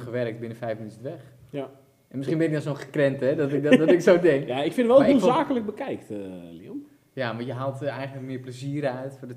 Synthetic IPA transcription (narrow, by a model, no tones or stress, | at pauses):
χəʋɛrək̚tbɪnəfɛjfminytənʋɛx | ʔɛnmɪsχinbɪnəɔnsoːnχəkrɛntɛdɔtɪkdɔɪksodɛŋkaɪkfɪnəʋɛlˠizaːkələk̚bəkɛjktlḭom | jamajəɦaːlˠtɛjχənləkmɪəpləziəɾəœɥtfʊdə